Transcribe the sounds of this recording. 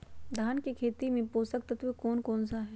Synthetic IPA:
d̪ʱaːnkekʰeːt̪imẽpoːsək̚t̪ɐt̪ʰʋikoːnkɔːns̬aɦɛː

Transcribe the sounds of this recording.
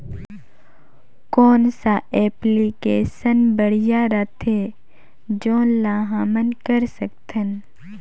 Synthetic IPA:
koːnsaʔɛːplikeːsənbəɽjaɾat̪ʰe | d͡ʒoːnlaːɦaːmənkəɾsəkt̪ʰən

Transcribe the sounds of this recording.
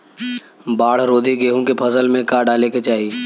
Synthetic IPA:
baːɽ̤ɾoːd̪ʱiɡeːɦũkepʰəzəlmẽkaɖaːleket͡ʃaːɦi

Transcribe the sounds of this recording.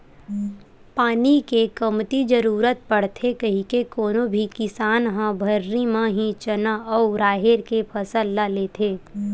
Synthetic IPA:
paːnikekəmt̪id͡ʒəɾuːɾət̪̚pɐɽ̤t̪ʰekɐɦĩkekoːnõbʱikɪsaːnɦãbʱəɾːimãɦĩt͡ʃənaɔːʊɾaːɦeɾkepʰɐsəlːaleːt̪ʰeː

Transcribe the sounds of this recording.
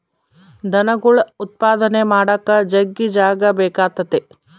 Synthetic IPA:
d̪ʱɐnɐɡuɭut̪̚paːd̪ɐnemaːɽɐkːɐd͡ʒɐɡːid͡ʒaːɡɐbɛːkaːt̪ːɐt̪e

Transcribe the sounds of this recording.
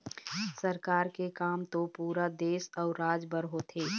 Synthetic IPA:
sɐɾkaːɾkekaːmt̪opuːɾad̪eːsɔːɾaːd͡ʒbəɾɦot̪ʰeː

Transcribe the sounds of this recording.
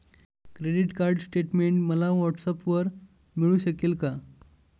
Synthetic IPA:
kɾeɖiʈkaɾɖsʈeʈmeɳʈməlaʋɔʈsapʋəɾ | miɭuːɕəkelka

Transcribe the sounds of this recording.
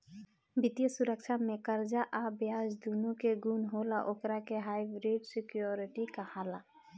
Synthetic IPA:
bʱɪt̪jəsuɾək̚t͡ʃʰamẽkəɾd͡ʒaʔabjad͡ʒd̪unukeɡunɦolaʔokɾakeɦajbɾeɖsɪkjoɾiʈikahaːla

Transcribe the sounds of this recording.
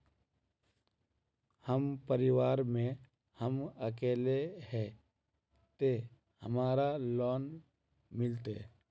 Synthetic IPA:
həmpəɾɪʋaːɾmẽ | həməkeːlehɛ | t̪e | həmaːɾalɔːn | mɪlt̪e

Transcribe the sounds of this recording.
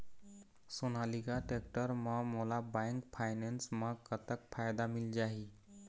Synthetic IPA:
sonalikaʈekʈəɾmə̃molabãŋkpʰaɪnensmə̃kət̪ək̚pʰaːjd̪amɪld͡ʒaːi

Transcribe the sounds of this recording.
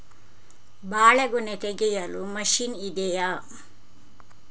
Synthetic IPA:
baːɭɐɡunet̪eɡɛjɐlumɐʃinid̪eja

